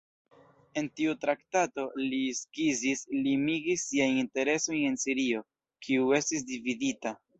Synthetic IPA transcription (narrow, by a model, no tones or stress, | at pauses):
e̞ntiutɾaktato̞liskizislimiɡisːiajinte̞ɾe̞so̞je̞nsiɾio̞ | kʰiue̞stis̬dividita